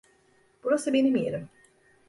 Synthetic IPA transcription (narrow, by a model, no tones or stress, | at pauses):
b̥uɾasɯbe̞nimijḛɾim